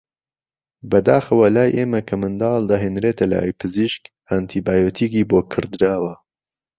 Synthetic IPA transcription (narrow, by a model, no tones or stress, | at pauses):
bɐd̪aːxɐwɐlaːjʔeːmɐkʰɐmɨnd̪ɑːld̪ɐɦeːnɾeːt̪ʰɐla̰ːjpʰɨziʃk | ant̪ʰiːbaːjot̪ʰiːɡiːboːkʰɨɾd̪ɾaːwɐ